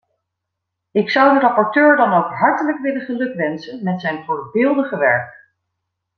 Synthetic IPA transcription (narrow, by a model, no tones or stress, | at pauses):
ɪksʌwdərɑpɔɹtøːɹdɑnowkɦɑɹtələkʋɪləχəlɵkʋɛnsənmɛtsɛjnvʊːɹbɪːlˠdəχəʋɛɹk